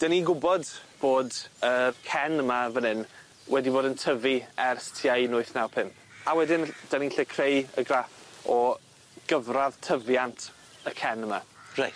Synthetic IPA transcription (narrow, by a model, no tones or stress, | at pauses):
d̥aniɡʊbɔdb̥oːdərkʰɛnəmavənɪn | wɛdiboːdəntʰəviɛrstʰiajnʊɨθnawpʰɪm | awɛdɪnd̥aniɬekʰrejə̰ɡrafɔ | ɡ̥əvrað̥tʰəvjantʰ | əkʰɛnəma̰rajt